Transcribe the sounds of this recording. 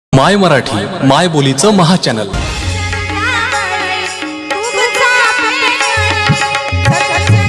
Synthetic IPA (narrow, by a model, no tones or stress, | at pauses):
majməɾaʈʰiːmajbolit͡səməɦat͡ɕænəl